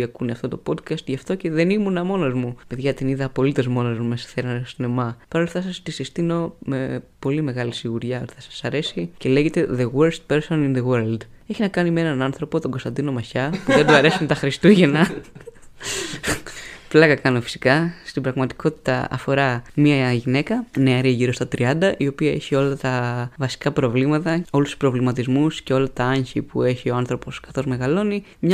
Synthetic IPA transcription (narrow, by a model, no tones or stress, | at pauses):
ɐkunɐft̪ot̪o̞po̞d̪kɐst̪ʝɐft̪o̞ce̞ðe̞nimunɐmo̞nozmupeðʝɐt̪iniðɐpo̞lit̪e̞zmo̞nozmumesɐ̥θeɾɐnosine̞mɐpɐɾolɐfθɐsɐst̪isist̪ino̞me̞po̞lime̞ɣɐlisiɣuɾʝɐot̪iθɐsɐ̥sɐɾe̞sice̞le̞ʝet̪e̞ðeweɾst̪̚peɾsoninðeweɾld̪ | eçinɐkɐnimee̞nɐnɐnθɾo̞po̞t̪o̞ŋɡo̞st̪ɐnd̪ino̞mɐçɐpuðed̪uɐɾe̞simet̪ɐxɾist̪uʝe̞nɐ | plɐɣɐkɐnofi̥si̥kɐst̪ibɾɐɣmɐt̪i̥ko̞t̪i̥t̪ɐɐ̰fo̞ɾɐmiɐʝine̞kɐneɐɾiɐʝiɾo̞st̪ɐt̪ɾiɐnd̪ɐʔio̞piɐe̞çio̞lɐt̪ɐvɐsi̥kɐpɾo̞vlimɐt̪ɐo̞lust̪u̥spɾo̞vlimɐt̪izmusce̞o̞lɐt̪ɐɐɲçipue̞çio̞ɐnθɾo̞po̞skɐ̥θo̞zme̞ɣɐlo̞ni | mɲɐ